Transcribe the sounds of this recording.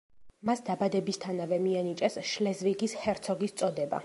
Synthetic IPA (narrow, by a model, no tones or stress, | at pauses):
masd̪abad̪ɛbist̪ʰanavɛmianit͡ʃʼɛsʃlɛzviɡishɛɾt̪sʰɔɡist̪sʼɔd̪ɛba̰